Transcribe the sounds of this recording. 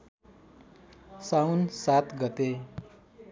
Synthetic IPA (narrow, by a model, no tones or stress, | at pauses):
sawnsat̪ɡʌt̪e